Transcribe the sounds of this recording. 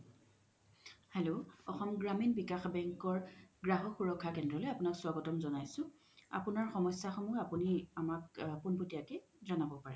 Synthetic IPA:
hɛloɔxɔmɡɹaminbikaxbɛŋkɔɹɡɹaɦɔxuɹɔkʰːakɛndɹɔlojapʊnakswaɡɔtɔmzɔnajsʊ̃ | a̰punaɹxɔmɔsaxɔmɔjapuniamakpunputijakɛ | zanabɔpaɹɛ

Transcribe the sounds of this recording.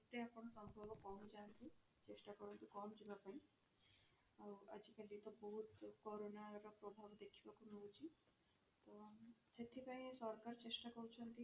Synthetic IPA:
t̪ːeapɔɽ̃ɔsɔmbʱabɔkɔmd͡ʒant̪i | t͡ʃesʈakɔɾɔnt̪ukɔmd͡ʒʱibapaĩ | awɐd͡ʒikalit̪ɔbɔɦut̪kɔɾonaɾɔpɾɔbʱabd̪ekʰibakunuut͡ʃʰi | t̪ɔt͡ʃet̪ʰipaĩsɔɾkaɾt͡ʃesʈakɔɾut͡ʃʰɔnt̪i

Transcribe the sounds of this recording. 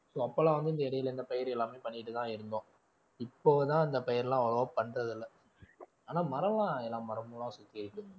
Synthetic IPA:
soːɐpːɐːlãːʋɐnd̪ɯɪnd̪ɐɪɽɐjɪlɪnd̪ɐpɛjɐɾɛlːaːmeːpɐɳːɪʈːɯt̪ãːɪɾɯnd̪õː | ɪpːoːt̪ãːɪnd̪ɐpɛjɐɾlãːɔlɐʋɐpɐɳːɾɐðɪlːɐ | aːnaːmɐɾɐlãːɛlːãːmɐɾɐmulãːsʊt̪ːɪɪɾɯkːʊ̃

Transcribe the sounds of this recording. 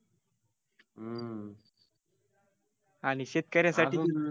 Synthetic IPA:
añiɕet̪̚kəɾjasai

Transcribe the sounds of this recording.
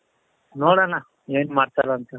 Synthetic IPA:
noːɽana | eːnmaːɽt̪alaːnt̪ə

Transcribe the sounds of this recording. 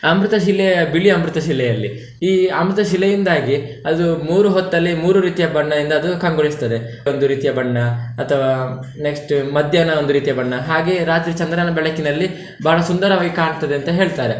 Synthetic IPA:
ɐmɾut̪ɐʃilɛbiɭiɐmɾut̪ɐʃilːɛjɐlːi | iːɐmɾut̪ɐʃilɛjind̪aːɡi | ɐd̪umuːɾuɦɔt̪ːɐlːimuːɾuɾiːt̪ijɐbɐɳːɐd̪ind̪ɐːd̪ukɐŋɡoɭist̪ɐd̪e | ond̪uɾiːt̪ijɐbɐɳːɐɐt̪ʰɐʋaː | neksʈmɐd̪ʱjɐnɐond̪uɾiːt̪ijɐbɐɳːɐɦaːɡe̞ɾaːt̪ɾiːt͡ʃɐnd̪ɾanɐbɛɭɐkinɐlːi | baːɭɐsund̪ɐɾɐʋaːɡikaːɳt̪ːɐd̪eɐnt̪ɐɦe̞ːɭt̪aːɾe

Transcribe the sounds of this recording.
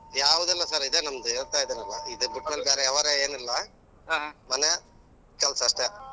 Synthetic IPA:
jaːʋud̪ɐlːɐsaɾid̪enɐmɐd̪ueːɭt̪aːjd̪eːnɐlːɐ̰id̪ɨbuʈmɐlbeːɾeɛʋɐɾeeːnilːɐ | ɦaːɦmɐne | kɐlsɐʂʈe

